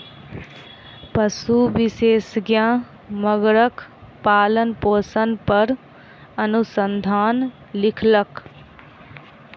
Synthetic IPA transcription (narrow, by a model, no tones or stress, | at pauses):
pəsubiseːsɡjã | məɡɾəkpaːlənpoːsənpəɾ | ənusənd̪ʱaːn | lɪkʰlək